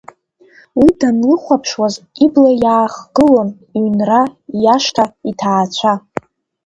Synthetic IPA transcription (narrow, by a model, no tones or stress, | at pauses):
widanlɨχʷapʰʂwaziblajaːχɡ̥ɨlon | ynrajaʂtʰaitʰaːt͡ɕʷʰa